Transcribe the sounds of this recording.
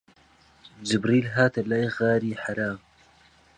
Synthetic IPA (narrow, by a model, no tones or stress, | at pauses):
d͡ʒɪbɾiːlɦaːt̪ɐlajɣaːɾiːħaɾaːm